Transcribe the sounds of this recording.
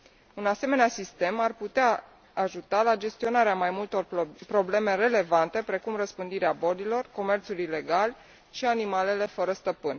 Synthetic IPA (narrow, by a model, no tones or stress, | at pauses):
unase̞me̞neasist̪e̞marput̪eaː | ʒut̪alad͡ʒe̞st̪io̞naɾeamajmult̪o̞rpɾo̞ble̞me̞re̞le̞vant̪e̞pɾe̞kumrəspɨnd̪iɾeabo̞lilo̞rko̞me̞rt̪sulile̞ɡal | ʃianimale̞le̞fəɾəst̪əpɨn